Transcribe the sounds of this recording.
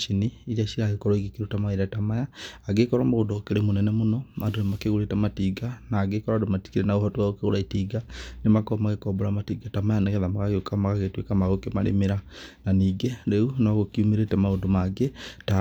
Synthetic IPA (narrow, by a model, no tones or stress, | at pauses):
ʃiniːɾiaʃiɾaɣekɔɾɔiɡikiɾutamaiɾatamajaːɡekɔɾamaɣodokeɾemonɛnɛmonɔmandonemakeɣoɾetamatiɡanaːɡekɔɾadomati̥kiɾenaɣohatuaɣokeɣoɾaitiɡanemakɔmaɣekɔboɾamatiɡatamajaneɣɛðamaɣaɣeokamaɣaɣetwekamaɣokema̰ɾḛmeɾananiːɡeɾeunɔɣokiumiɾetɛmaondomaɡeta